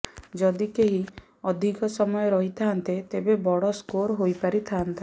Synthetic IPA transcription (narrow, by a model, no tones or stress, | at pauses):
d͡ʒɔd̪ikeɦi | ɔd̪ʱikɔsɔmɔjɔɾɔɦit̪ʰant̪et̪ebebɔɽɔskoɾɦojpaɾit̪ʰant̪ʰa